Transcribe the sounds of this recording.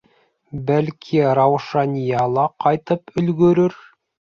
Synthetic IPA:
bælkʰiɾɑwʃɑnʲijɑlˠɑqɑjt̪ɤpɵ̆lɡɵ̆ɾɵɾ

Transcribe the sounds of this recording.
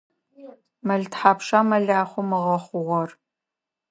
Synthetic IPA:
mɐɮtħaːpʂamɐɮaːχʷʊmɨʁɐχʷʊʁʷɔr

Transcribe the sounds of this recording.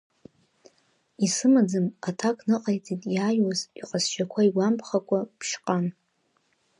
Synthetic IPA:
isɨmad͡zɨmatʰakʰʼnɨqʼajt͡sʼitʼjaːjwaziqʼasʃʷakʷʰaiɡʷampʰχakʷʼapʰʃqʼan

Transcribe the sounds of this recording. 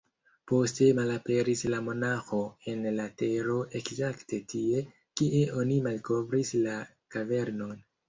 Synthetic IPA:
po̞ste̞malape̞ɾislamo̞naxo̞e̞nlate̞ɾo̞ʔe̞kzakte̞tʰie̞ | kiʔe̞ʔo̞nimalko̞vɾisla | kave̞ɾno̞n

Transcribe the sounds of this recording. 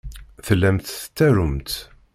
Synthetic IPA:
θəlːæmt̪θə̥t̪ːæɾʊmt̪

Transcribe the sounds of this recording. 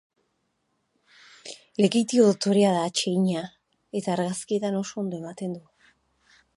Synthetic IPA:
le̞ɣit̪ioðot̪o̞ɾeaðaːt͡ʃe̞iɲa | e̞t̪aːɾɣaskie̞t̪ano̞so̞ond̪o̞e̞mat̪e̞nd̪u

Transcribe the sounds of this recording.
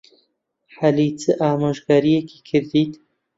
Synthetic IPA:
ħalit͡sɨʔaːmaʒɡaːɾijekʰi̥kʰɨɾd̪iːt̪

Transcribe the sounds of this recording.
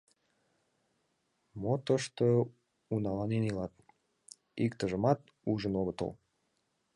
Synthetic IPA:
mot̪əʃt̪o | unɑlɑnenilɑt̪ | ikt̪əʒəmɑt̪̚ | uʒənoɣət̪ə̰l

